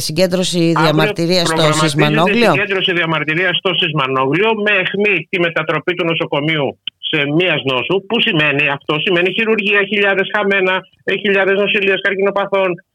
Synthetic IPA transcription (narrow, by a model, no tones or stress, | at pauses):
siɟe̞nd̪ɾo̞siðiɐmɐɾt̪iɾiɐsot̪osizmɐnoɣlioend̪ɾo̞siðiɐmɐɾt̪iɾiɐst̪o̞sizmɐno̞ɣlio̞mexmit̪ime̞t̪ɐt̪ɾo̞pit̪uno̞so̞ko̞miuse̞miɐzno̞supusime̞niɐft̪o̞sime̞niçiɾuɾʝiɐçiʎɐðe̞sxɐme̞nɐ | eçiʎɐðe̞zno̞siliɐskɐɾcino̞pɐθo̞n